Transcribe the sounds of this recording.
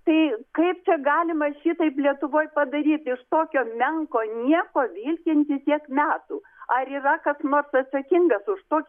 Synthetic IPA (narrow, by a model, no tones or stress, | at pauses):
t̪ɐɪkɐɪp̚t͡ʃʲɛɡɑːlʲɪmɐʃʲit̪ɐɪplʲiɛt̪ʊʋoːjpɐd̪ɐɾʲiːt̪ɪʃt̪oːkʲoːmʲɛŋkoːnʲiɛkoːʋʲiːlʲkʲɪnʲt̪ʲɪt̪ʲiɛkmʲæːt̪uː | ɐɾiːrɐkɐsnoːrsɐt̪sɐkʲɪŋɡɐsʊʃt̪oːkʲ